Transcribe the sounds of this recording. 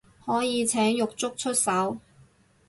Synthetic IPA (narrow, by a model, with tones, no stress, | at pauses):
hɔː˨˥jiː˨˧t͡sʰɛː˨˥ŋjʊ˨k̚t͡sʊ˥k̚t͡ʃʰɵ˥t̚sɐ˨˥w